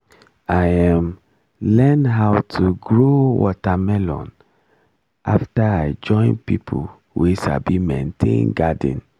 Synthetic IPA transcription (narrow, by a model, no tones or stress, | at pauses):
ajãm | lɛnɦawtʰuɡɹowɔ̰tamɛlɔ̰̃n | ʔa̰ftaaɪd͡ʒɔ̃ɪ̃npipʰo | wʔeʃa̰bimẽntʰḛ̃nɡadḭ̃n